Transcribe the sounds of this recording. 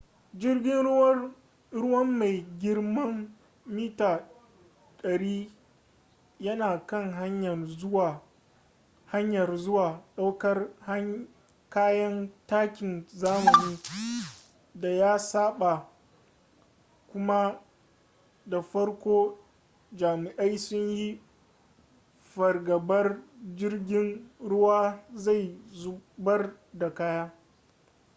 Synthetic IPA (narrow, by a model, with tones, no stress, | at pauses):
d͡ʒɪ˦rɡʲɪ˦n˦wɐ˦ | ɾʊ˦wɐ˦mːa˨jɡʲɪ˦rmɐ˦mː | iː˦taː˨ | ɗɐ˨ɽiː˦ | jɐ˦naː˨kɐ˦˨ŋɦa˦ɲjɐ˨rʊ˦wa˨ | ha˦ɲjɐ˨rzʊ˦waː˨ɗa˦wkɐ˦rh | kaː˦jɐ˦ntaː˦kʲɪ˨nzaː˦mɐ˨niː˦ | da˨jaː˦saː˦ɓa˨ | kʷʊ˦ma˦ | da˨ɸɐ˦rkʷoː˦ | d͡ʒaː˨mɪ˨ʔa˦jsʊ˦ɲji˦ | ɸɐ˨rɡɐ˨bɐ˦rd͡ʒɪ˦rɡʲɪ˦nɽʊ˦waː˦za˦˨jzu˦bɐ˦r | da˨kaː˦jaː˦